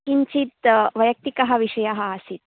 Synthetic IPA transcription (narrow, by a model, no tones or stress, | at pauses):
iɲt͡ʃit̪ʋɐjɐk̚t̪ikɐɦɐ̆ʋiʂɐjɐɦɐːsit̪̚